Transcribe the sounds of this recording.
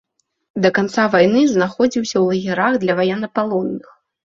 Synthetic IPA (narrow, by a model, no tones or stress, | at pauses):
d̪ɐkant̪savajnɨznaxɔd͡zʲiwsʲɐwlˠɐɣʲɛɾaɣd̪lʲɐvajɛnɐpalˠɔnːɨx